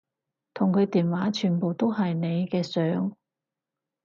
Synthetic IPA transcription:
t̪ʰʊ˨˩ŋkʰɵ˨˧t̪iː˨nwaː˨˥t͡ʃʰyː˨˩npo˨wt̪o˥wɦɐ˨jne˨˧jkɛː˧sœː˨˥ŋ

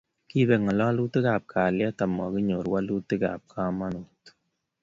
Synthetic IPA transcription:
ki˦bɛ˨ŋɔ˨lɔ˦lu˦te˦ka˨p̚kʰaː˨ljɛ˦ta˨mɔ˨ki˦ɲo˨ɾwa˦lu˦tɨ˦ka̰˨p̚kʰa˦ma˦nu˨t

